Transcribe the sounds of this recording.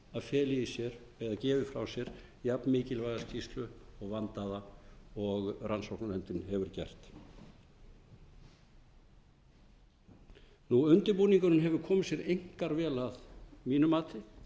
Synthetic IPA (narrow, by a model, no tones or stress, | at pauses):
aðfjɛːlɪisjɛɾ | ɛðacɛːvɪfɾa̰wsjɛɾ̥ | japnmɪːcɪlvajðascʰist̪lʏɔɣvant̪aðaɔɣransɔwknalɛnt̪ɪnɦɛvʏɾ̥cɛ̰r̥t̪ | nuʏnt̪ɪɾpuːniŋkʏɾʏnɦɛvʏɾkʰɔːmɪ̥sjɛɾejŋ̥kaɾvɛːlaðmiːnʏmaːt̪ɪ